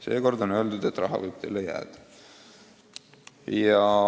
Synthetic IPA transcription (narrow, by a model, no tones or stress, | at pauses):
se̞ːko̞rd̪o̞nø̞ːld̪ud̪e̞t̪ːˑrɑɦɑ̰vɤ̰jb̥̚t̪ḛːlːejæ̰ːd̪̥ɑ̥ | jɑ